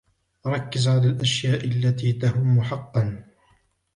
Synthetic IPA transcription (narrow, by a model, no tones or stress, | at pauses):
ɾˤɑkːɪzʕalaːlʔaʃjaːʔalːat̪iːt̪ahʊmːʊħɑqːɑn